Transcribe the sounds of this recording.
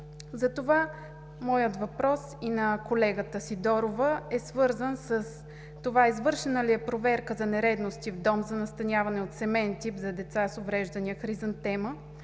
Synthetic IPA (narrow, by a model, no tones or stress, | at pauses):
zɐt̪ova | mɔjət̪vɐpɾɔsinɐkolɛɡət̪əsid̪ɔɾovəɛsvɤɾzənsəs | t̪ovaizvɤɾʃɛnəlijɛpɾovɛɾkəzɐnɛɾɛd̪nost̪ivd̪ɔmzɐnɐst̪ɐnʲjavɐnɛot̪sɛmɛnt̪ipzɐd̪ɛt̪sasovɾɛʒd̪ɐniəxɾizənt̪ɛmə